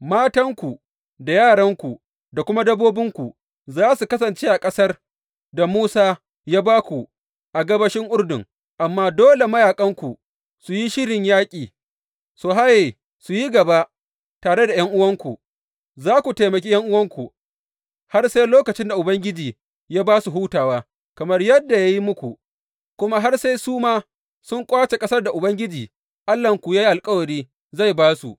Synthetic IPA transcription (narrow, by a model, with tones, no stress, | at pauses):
maː˦tɐ˦ŋkʷu˨ | da˨jaː˦˨ɽɐ˦ŋkʷu˨ | da˨kʷʊ˦ma˦dɐ˦boː˦bɪ˦ŋkʷu˨ | zaː˦su˨kɐ˦sɐ˨nt͡ʃeː˦ʔa˨kʼɐ˦sɐ˦r | da˨muː˦saː˦ | jaː˦baː˦kʷu˨ | ʔa˨ɡɐ˦bɐ˦ʃɪ˦ŋʔʊ˦rdʊ˨ŋ | ʔa˨mːaː˦doː˦le˨mɐ˦jaː˨kʼɐ˦ŋkʷu˨ | su˨ji˦ʃɪ˦ɽɪ˨ɲjaː˦kʲʼiː˨ | soː˨ɦa˦je˨ | su˨ji˦ɡɐ˨ba˦ʔ | taː˨ɽe˦da˨jɐ˦ŋʔʊ˦wɐ˦ŋkʷu˨ | zaː˦kʷu˨te˨mɐ˨kʲi˦jɐ˦ŋʔʊ˦wɐ˦ŋkʷu˨ | ha˦rse˦jloː˦kɐ˨t͡ʃɪ˦nda˨ʔʊ˨bɐ˦ŋɡʲɪ˦d͡ʒiː˨ | jaː˦baː˦su˨ɦuː˦taː˨waː˦ | kɐ˨mɐ˦rjɐ˦dːa˨ja˦ji˦mʊ˦kʷu˨ | kʷʊ˦ma˦ɦa˦rse˦jsuː˦maː˦ | sʊ˦ŋkʷʼaː˦t͡ʃe˨kʼɐ˦sɐ˦rda˨ʔʊ˨bɐ˦ŋɡʲɪ˦d͡ʒiː˨ | ʔa˦lːɐ˨ŋkʷu˨jaː˦ji˦ʔa˨lkʼɐ˦wɐ˨ɾiː˦ | za˦˨jbaː˦su˨